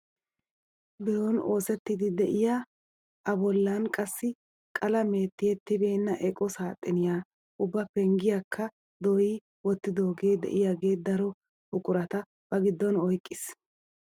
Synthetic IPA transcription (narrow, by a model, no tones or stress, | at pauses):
bɪɾoːno̞ːsɛt̪ːɪd̪ɪd̪ɛʔɪjaː | ʔɐbɔlːankʼɐsːɪ | kʼɐlɐmeːt̪ːɪjɛt̪ːɪbe̞ːnːɐʔɛkʼɔsaːt̪ʼːɪnɪjaː | ʔʊbːɐpɛŋɡɪjakʰːɐ | d̪ɔjiː | wɔt̪ːɪd̪o̞ːɡeːd̪ɛ̰ʔɪjaːɡe̞ːd̪ɐɾɔ | hʊkʼʊɾɐt̪ɐ | b̥ɐɡɪd̪ːɔnɔjkʼːɪs